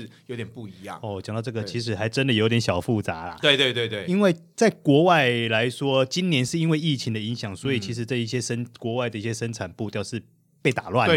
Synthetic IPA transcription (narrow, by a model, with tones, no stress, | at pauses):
jo˧˥ʊt̪jɛ˨npu˥˩i˧˥jɑ̰˥˨ŋɔ˥˩ɔ˨t͡ɕjŋt̪ɑ˥˧ʈ͡ʂɤ˥˩ɡə˩t͡ɕʰi˧˥ʂ̬ɻ̩˧˥xa˧˥ɪʈ͡ʂə˦nd̪o˨jo˧˥t̪ʲnɕjɑ˨˩fu˥˩t͡sa˧˥lɐ̰˨˩t̪we˥˧ɪt̪we˥˧t̪we˥˧ɪt̪we˥˩ɪi˥nwe˥˩ɪt͡sa˥˩ɪkwɔ˧˥wa˥˩ɪla˧˦˥ɪʂwɔ˦˥t͡ɕi˥nnjɛ˧˥nʂɻ̩˥˩i˥nwe˥˧ɪi˥˩t͡ɕʰi˧˥ŋd̪ə˨i˧˥ŋɕjɑ˨˩ŋswɔ˧˥i˨˩t͡ɕʰi˧˥ʂ̬ɻ̩˧˥t͡sa˥˧ɪi˥˩ɕjɛ˥ʂə˥nkwɔ˧˥wa˥˩ɪd̪ə˩i˥˩ɕjɛ˥˧ʂə˥nʈ͡ʂʰa˨˩npu˥˧t̪jɑ˥˧ʊʂɻ̩˥˧˨ | pe˥˩ɪt̪a˨˩lwa˥˨